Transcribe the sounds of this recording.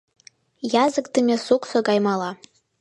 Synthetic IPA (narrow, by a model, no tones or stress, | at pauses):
jazɨkʼdɨmʲasukʷʼsaɡʼajmala